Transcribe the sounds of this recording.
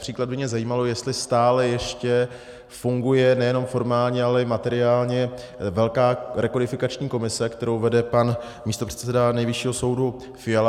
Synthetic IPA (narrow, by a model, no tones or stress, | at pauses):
r̝̥iːklad̪̚bɪmɲɛzajiːmalo̞jɛst̪lɪst̪aːlɛjɛʃcɛ | fuŋɡujɛnɛjɛno̞mfo̞ɾmaːlɲɛalɛɪmat̪ɛɾɪaːlɲɛ | vɛlkaːɾɛkodɪfɪkat͡ʃɲiːko̞mɪsɛkt̪ɛɾowvɛdɛpan | miːst̪o̞pr̝̥ɛ̥t̪t͡sɛdanɛjvɪʃiːɦo̞so̞wdu | fɪjala